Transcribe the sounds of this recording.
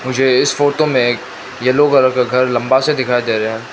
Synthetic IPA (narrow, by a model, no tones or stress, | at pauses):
mʊd͡ʒʱeɪsfoːʈomẽ | jeloːɡɐləɾkaɡʱɐɾlɐ̃mbased̪ɪkʰaːed̪eːɾeɦɛ̃ː